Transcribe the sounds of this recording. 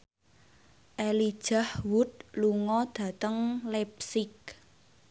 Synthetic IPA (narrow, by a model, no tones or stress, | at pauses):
ʔelid̥ʒ̥a̤hwʊt̪̚luŋɔd̪̥ä̤t̪əŋlɛpsɪk̚